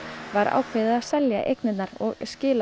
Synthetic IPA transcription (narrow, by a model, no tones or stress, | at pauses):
vaɾa̰ːwkʰvɪːðɪðaðsɛlja̰ʔḛjknɪt̪naɾɔ̰ɣscɪːla